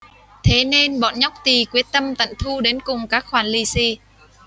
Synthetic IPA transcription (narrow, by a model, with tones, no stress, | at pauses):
t̪ʰe˨˦ne˧nɓɔ̰˧˨nɲa˦˥wk͡p̚t̪i˨˩kwi˦ət̚t̪ə˧mt̪ə̰˧˨nt̪ʰu˧ɗe˨˦nkʊ˨˩ŋ͡mkaː˦˥k̚xwaː˧˩nli˧si˧˩